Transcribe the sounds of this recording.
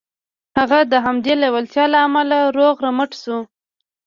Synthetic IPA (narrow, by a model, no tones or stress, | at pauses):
haɣad̪əɦamd̪elewalt̪jɑlaːmalaɾoɣɾaməʈsu